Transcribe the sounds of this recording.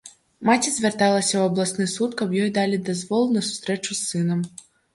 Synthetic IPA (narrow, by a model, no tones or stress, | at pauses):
mat͡sʲizʲvʲart̪alˠɐsʲɐwɐblˠasnɨsut̪kɐbjɔjd̪alʲid̪azvɔlˠunɐsu̥st̪ɾɛt͡ʂusːɨnɐm